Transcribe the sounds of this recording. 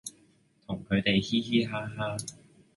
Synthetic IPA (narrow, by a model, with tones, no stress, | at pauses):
t̪ʰʊ˨˩ŋkʰɵ˨˧t̪e˨jhiː˥ɦiː˥ɦaː˥ɦaː˥